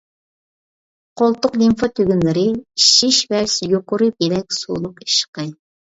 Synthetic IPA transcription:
qʰolˠt̪ʊqlimfɑt̪ʰøɡʲynlɪɾɪiʃiʃvɛsjoqʊɾɨbelɛk̚ʲsṵːlˠʊqi̥ʃqɨ

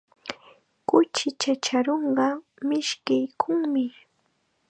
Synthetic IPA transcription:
kʊt͡ʃɪt͡ʃat͡ʃaɾoɴɢɑ | mɪʃkɪjkʰʊŋmɪ

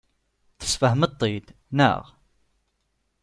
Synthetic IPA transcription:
θə̥sfəhmət̪ˤːid̪ | nə̰ʁ

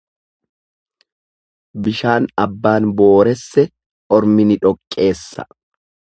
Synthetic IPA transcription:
bɪʃaːnɐbːaːnbo̞ːɾɛsːɛ | ɔɾmɪnɪᶑɔkʼːe̞ːsːɐ̥̰

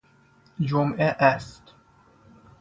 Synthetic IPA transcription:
d͡ʒomʔeʔæst̪

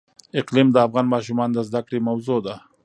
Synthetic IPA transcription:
ɪqlimd̪əafɣɑnmɑʃ̬umɑnd̪əzd̪akɽemawzod̪a

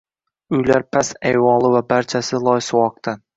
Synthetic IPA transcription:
ʊjlaɾpʰasajwɒlˠɪvabaɾt͡ʃʰasɪlˠɒjsʊwɒq̚t̪ʰan

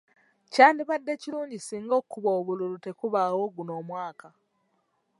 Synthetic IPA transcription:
caːndiβadːe̞ciluːɲɟisiːŋɡo̞kːuβoːβululute̞kuβaːwo̞ɡuno̞ːmwaːka

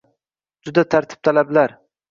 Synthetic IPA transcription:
d͡ʒʊd̪at̪ʰaɾt̪ʰɪ̥p̚t̪ʰalablaɾ

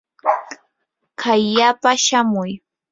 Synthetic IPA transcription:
kʰajːapaʃamʊj

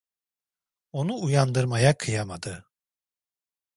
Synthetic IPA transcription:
o̞nuːjand̪ɯɾmajakʰɯjamad̪ɯ

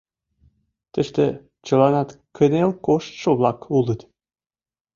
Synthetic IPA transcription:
t̪ɘ̆ʃt̪ĕ | t͡ɕɤ̆lɑnɑt̪kʰə̆nelkoʃt̪ʃoβlɑkulɤ̆t̪

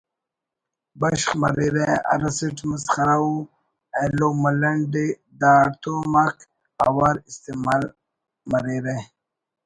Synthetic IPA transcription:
bɐɕχmɐ̰ɾiɾeɐ̰ɾɐsiʈmɐsχɐɾau | elomɐlɐɳɖe | d̪aːɾt̪oːmak | a̰waɾist̪emal | mɐɾiɾe

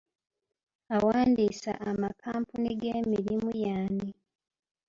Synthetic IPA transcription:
awaːndiːsa̰ʔːmakʰaːmpuniɡeːmiɾimujaːni

